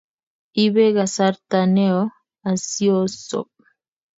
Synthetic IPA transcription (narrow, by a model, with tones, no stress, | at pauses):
i˦βe˦ɣa˨saɾt̪a˨nɛ˦ɔ˦ | a˨si˦ɔ˦sɔ̰p̚